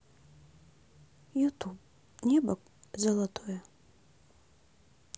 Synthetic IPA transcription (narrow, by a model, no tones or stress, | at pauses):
jut̪ʰub | nʲɛbɐkʼ | zɐlˠat̪ʰojɐ